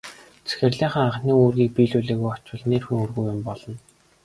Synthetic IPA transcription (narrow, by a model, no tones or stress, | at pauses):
t͡sʰæ̥xʲɘ̆rɮiːχə̆ŋaʁniːŋuːrɣʲiːk̚piːɮuɮeːɣujɔt͡ɕwə̆ɮnerxuŋurɣujʊmpɔɮ̥ɞ̆n